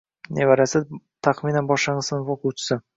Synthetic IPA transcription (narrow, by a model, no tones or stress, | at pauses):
nevaɾasɪ | t̪ʰaqminanbɒʃlɪɴɨznɪvoqʰʊwt͡ʃʰɪ̥sɪ